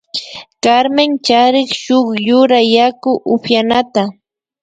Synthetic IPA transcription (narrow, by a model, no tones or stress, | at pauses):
kaɾmɪnt͡ʃaɾɪχʃoχjʊɾajakʊʔʊpjanat̪a